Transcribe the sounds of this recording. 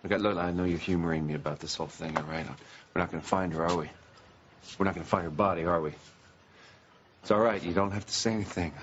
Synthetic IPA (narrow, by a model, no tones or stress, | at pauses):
ɪkɨtˡlʊklaɪaɪnoʊjə˞hjʉmə˞ɪ̃ŋmiɨbaʊt̪̚ðɪshoʊlˠθɪ̃ŋəɹaɪɾə̰̃nwɨɹnət̚ɡ̥ʌnəfãɪ̃ndə˞ɔwi | wɨɹnət̚ɡ̥ʌ̃nəfãɪ̃ndə˞bɑɾiə˞wi | ɪtsɔlˠɹaɪtjɨdõʊ̃nt̚ɦæftɨ̥seɪɛniθɪ̃ŋ